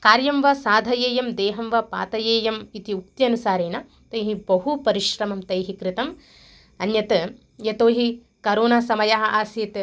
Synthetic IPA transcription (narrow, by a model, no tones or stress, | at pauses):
kaːɾjɐmʋɐsaːd̪ʱɐjeːjɐmd̪eːɦɐmʋɐpa̰ːt̪ɐjeːjɐmit̪iuk̚t̪jɐnusaːɾeːna | t̪ɐjɦibɐɦupɐɾiʃɾɐmɐmt̪ɐjɦikɾit̪ɐm | ɐnjɐt̪ | jɐt̪oːɦi | kɐɾoːnasɐmɐjaɦɐ̆ʔaːsjeːt̪